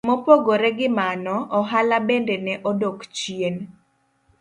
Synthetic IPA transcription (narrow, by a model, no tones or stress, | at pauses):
mopoɡoɾɛɡɪmanɔʔɔɦalabɛndɛnɛʔɔdokt͡ʃien